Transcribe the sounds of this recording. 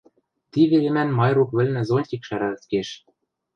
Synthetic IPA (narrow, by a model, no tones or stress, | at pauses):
t̪iβelɘ̆mænmɑjrukβɘ̆lʲnɘ̆zonʲtʲikʃæɾælt̪keʃ